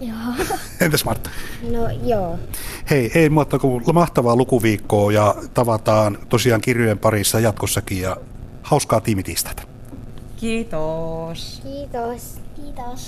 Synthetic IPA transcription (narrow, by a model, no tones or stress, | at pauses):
jo | ent̪æsmɑrt̪ːɑ̥nojoːheieˑimuɑt̪ːɑkulmɑht̪ɑʋɑːlukuʋiːkːoːjɑt̪ɑʋɑt̪ɑːnt̪osiɑːŋkirjujempɑrisːɑjɑt̪kosːɑkijjɑ | hɑˑuskɑːt̪iːmit̪ist̪æ̥t̪æ̥ | kiːt̪oskiːt̪osiːt̪os